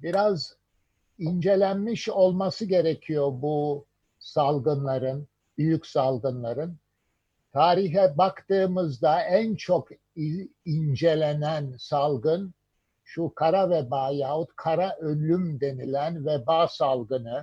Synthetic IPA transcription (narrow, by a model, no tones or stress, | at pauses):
biɾaz | ind͡ʒe̞lʲænmiʃo̞lˠmasɯɟe̞ɾecʰijobu | salˠɡɯnlˠaɾɯn | byjycsalˠɡɯnlˠaɾɯn | t̪ʰaːɾiɦɛbakt̪ɯːmɯzd̪aænt͡ʃʰok | iind͡ʒe̞lʲe̞nænsalˠɡɯn | ʃukʰaɾavɛbaːjaːɦut̪kʰaɾaʔølʲymd̪e̞nilʲænvɛbaːsalˠɡɯnɯ